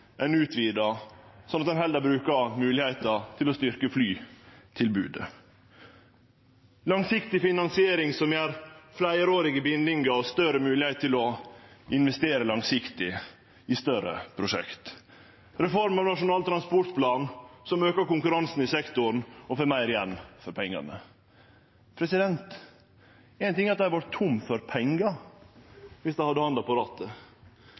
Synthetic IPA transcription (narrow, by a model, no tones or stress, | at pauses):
ʔæɪnʉːt̪ʰʋiːd̪ɑsɔnɑt̪̚d̪ɛnɦɛld̪æbɾʉːkɑmʉːlɪheɪt̪ət̪ʰɪlɔst̪ʏɾkəflyːt̪ʰɪlbʉ̰ːd̪ə̰ | lɑŋsɪkt̪ɪfɪnɑnsɪeːɾɪŋsɔmjæɾflæɪɾoːɾɪɡəbɪnd̪ɪŋɡɑst̪œɾəmʉːlɪheɪt̪ʰːɪlɔɪnʋɛst̪eːɾəlɑŋsɪkt̪ɪ | ɪst̪œɾə̰pʰɾʊʂɛ̰kt̪ | ɾɛfɔɾmɑʋnɑʂʊnɑːlt̪ʰɾɑnspɔʈpʰlɑːnsɔmøːkəkʊŋkʉɾɑnsn̩ɪsɛkt̪ʊn̩ɔfømæɪɾɪjɛnːfɔɾpʰɛŋːɑ̰nə̰ | pʰɾɛsɪd̪ɛnt̪ | ɛɪnt̪ɪŋːɑt̪̚d̪æhʋɑɾt̪ʰːʊmːfɔɾpʰɛŋɡə | ʋɪsd̪æɪhɑd̪ːəhɑnd̪ɑpɑɾɑːt̪ʰə